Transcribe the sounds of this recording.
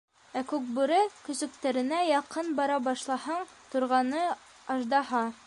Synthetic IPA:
ækʉk̚bʉɾɘkɵ̆sɵ̆k̚t̪æɾɘ̆næjɑqɤnbɑɾɑbɑʃlˠɑhɑɴ | t̪ŭɾʁɑnɤ | ɑʒd̪ɑhɑ

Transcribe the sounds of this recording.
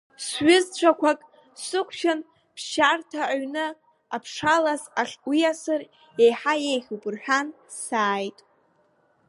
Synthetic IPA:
sɥɪzt͡ʃʷʰakʷʰakʼ | sɨqʷʰʃan | pʰʃartʰaʕaɥnɨ | apʰʂalasaχʲwijasɨr | e̞jħajejχʲupʼɨrħᶣan | saːjtʼ

